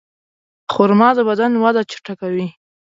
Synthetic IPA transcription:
xʊɾmɑd̪əbad̪anwad̪at͡ʃɪ̥ʈakawi

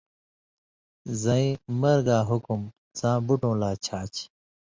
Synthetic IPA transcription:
zɐĩmɐɾɡaːɦukum | t͡sãːbuʈõːlaːt͡ɕʰaːt͡ɕ

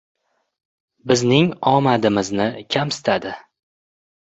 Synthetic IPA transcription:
bɪznɪŋɒmad̪ɪmɪznɪkʲʰamsɪ̥t̪ʰad̪ɪ

